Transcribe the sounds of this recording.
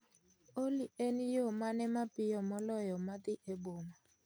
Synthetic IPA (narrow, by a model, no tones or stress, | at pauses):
olienijomanɛmapɪjɔmɔlɔjɔmat̪iʔeboːma